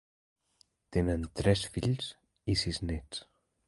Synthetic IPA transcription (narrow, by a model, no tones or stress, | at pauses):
t̪enənt̪ɾɛsfiʎs | isiznɛt͡s